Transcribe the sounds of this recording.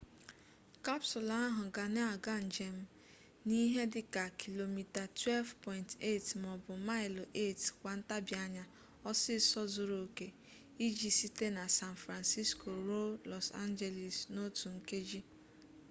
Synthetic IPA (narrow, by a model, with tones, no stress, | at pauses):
ka˦psʊ˨la˨˦a˦ɦʊ˨ɡa˨n˦a˨ɡa˦n̩˨d͡ʒe˨m̩˦ | ni˦ɦe˦dɪ˦ka˨kʰi˨lo˨mi˨ta˨twɛ˦lvpɔ˨ɪ˨nte˦˨tmɔ˨bʊ˨ma˦ɪ˨lʔe˦˨tkʷa˨n̩˦ta˦bja˦ɲa˦ | ɔ˦sɪ˦sɔ˦zʊ˨ɾo˨ke˨ | i˦d͡ʒi˨si˦te˦na˨sa˦n˨fɾa˨nsi˦sko˨ɾo˦lɔ˨sa̰˦nd͡ʒe˨li˨sno˦tu˨ŋ̩˨ke˦d͡ʒi˦